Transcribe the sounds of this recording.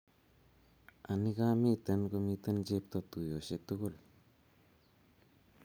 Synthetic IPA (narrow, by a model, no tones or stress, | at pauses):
aniɡamitenɡomitend͡ʒep̚totujosetuɡul